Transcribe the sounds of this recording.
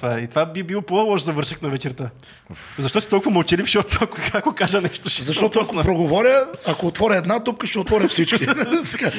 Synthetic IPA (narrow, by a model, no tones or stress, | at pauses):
tt̪vaɛit̪ovabibilˠɔpolˠɔʃzɐvɤɾʃəknɐvɛt͡ʃɛɾt̪a | zɐʃt̪ɔsit̪ɔlˠkuvɐmɐlˠt͡ʃɛlifʃiot̪ɐkot̪kakokaʒənɛʃt̪oʃzɐʃtɔt̪oɐskopɾoɡovɔɾʲəɐkoːt̪vɔɾʲəɛd̪nad̪up̚kəʃɛot̪vɔɾʲɐfsit͡ʃk̟isɛɡa